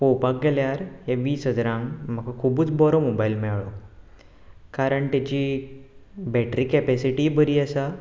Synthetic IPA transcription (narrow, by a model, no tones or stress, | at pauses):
powpak̚ɡɛljaɾjaʋiːsɦəd͡zɾãŋɡm̤əkakʰubuːt͡sbɔɾɔmobailmɛɭɔ | kaɾəɳt̪at͡ɕi | bɛʈɾiːkɛpɛsiʈibəɾiːəsa